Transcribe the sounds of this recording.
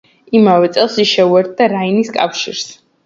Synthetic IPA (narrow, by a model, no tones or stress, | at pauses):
imavɛt̪sʼɛlˠsiʃɛuɛɾt̪̚ʰd̪aɾainiskʼa̰fʃḭɾs